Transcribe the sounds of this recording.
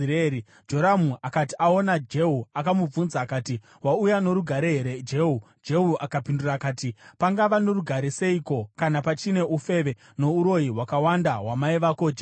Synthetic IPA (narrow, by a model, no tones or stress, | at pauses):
ɾei | d͡ʒo̞ɾamuakatiao̞nad͡ʒe̞ɦuakamub͡vunzaːkaːti | waujano̞ɾuɡʱaɾe̞ɦeɾe̞d͡ʒe̞ɦu | d͡ʒe̞ɦuʔakapindurakaːtipaŋɡaʋano̞ɾuɡʱaɾese̞iko̞kanapat͡ʃine̞ʔufe̞ʋe̞ | no̞uɾo̞iwakawandaɦwamaiʋakoːd͡ʒe